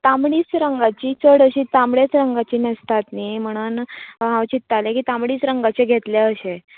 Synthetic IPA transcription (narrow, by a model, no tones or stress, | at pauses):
t̪amɽiːt͡sɾəŋɡat͡ɕiːt͡səɽəɕit̪amɭet͡sɾəŋɡat͡ɕiːnəst̪at̪niːm̤əɽ̃uːnɦãwt͡ɕit̪ːalẽkiːt̪amɽiːt͡sɾəŋɡat͡ɕeɡʱet̪leəɕe